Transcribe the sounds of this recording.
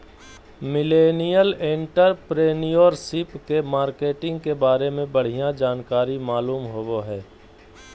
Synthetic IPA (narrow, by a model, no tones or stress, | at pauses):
mɪleːnijəlẽɳʈəɾpɾeːnijoːɾsɪpkemaːɾkeːʈɪ̃ŋɡkebaːɾemẽbəɽ̤ijãd͡ʒaːnkaːɾimaːluːmɦowoɦɛː